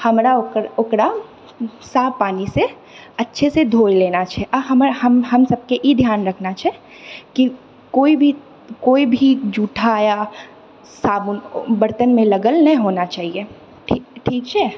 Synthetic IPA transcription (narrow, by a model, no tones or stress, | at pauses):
hɐmɾaʊʊkɾa | saːbpaːnise | ɐtːʃʰesed̪ʱoːjleːnat͡ʃʰɛʔɐɦɐmɦɐmɦɐmsɐb̚keʔid̪ʱjaːnɾɐkʰnat͡ʃʰɛ | ki | koːibʱi | koːibʱid͡ʒuːʈʰaːja | saːbnbɐɾt̪ənmẽlɐɡəlnɐɦĩɦoːnat͡ʃaːɦie | ʈʰːʈʰiːk̚t͡ʃʰɛː